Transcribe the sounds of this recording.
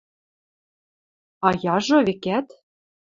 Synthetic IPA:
ɑjɑʒŏβekæt̪

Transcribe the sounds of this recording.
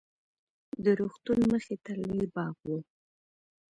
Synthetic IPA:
d̪əɾuxt̪unməxet̪alebɑɣwu

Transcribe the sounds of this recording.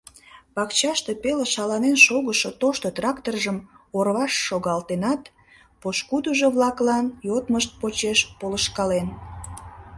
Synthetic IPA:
pɑkt͡ɕɑʃt̪epeleʃɑlɑnenʃoɣəʃot̪oʃt̪ot̪rɑkt̪orʒəm | orβɑʃːoɣɑlt̪enɑt̪ | poʃkud̪uʒoβlɑklɑnjot̪məʃt̪̚pot͡ɕeʃpoləʃkɑlen

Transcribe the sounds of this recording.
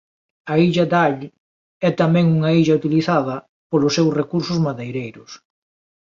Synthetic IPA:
ɐiʎɐd̪aʎ | ɛt̪amɛ̃ŋuŋɐiʎɐut̪iliθaðɐ | polʊsːewsrekuɾsʊzmaðejɾejɾʊs

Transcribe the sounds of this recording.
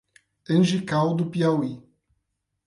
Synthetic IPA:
ẽnʒikawd̪upiawi

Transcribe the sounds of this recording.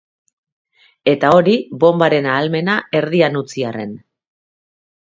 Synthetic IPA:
e̞t̪ao̞ɾiβo̞mbaɾe̞naːlme̞nae̞ɾðianut͡siare̞̰n

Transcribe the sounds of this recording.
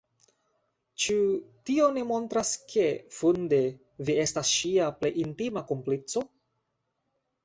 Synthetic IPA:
t͡ʃutio̞nimo̞ntɾaskʰe̞funde̞ | vie̞stasʃiaplḛjintimakomplit͡so̞

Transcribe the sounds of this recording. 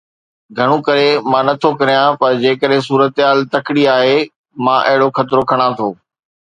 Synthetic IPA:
ɡʱɐɽ̃ũkɐɾemãːnɐt̪ʰokɐɾijãpɐɾd͡ʑeːkəɗɦɪ̃s̬uːɾət̪ɦaːlt̪ɐkɪɽiaːɦe | mãːʔɐɦɪɽoxɐt̪ɪɾokʰɐɽ̃ãt̪ʰoː

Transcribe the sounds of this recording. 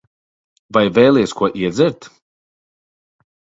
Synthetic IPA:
vajvɛːlˠiɛskuɔʔiɛd̪zɛɾt̪

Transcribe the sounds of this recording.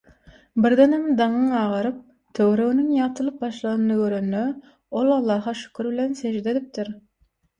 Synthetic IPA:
bɪɾd̪enhemd̪ɑŋɯŋɑːʁɑɾɯp̚ | t̪ʰøwɾøɣynyŋjɑt̪ʰɯlˠɯp̚bɑʃlˠɑnɯnɯɡøɾønːø | olˠɑlˠːɑːɦɑʃy̥kʲʰyɾbɪlensed͡ʒd̪e̞d̪ip̚t̪iɾ

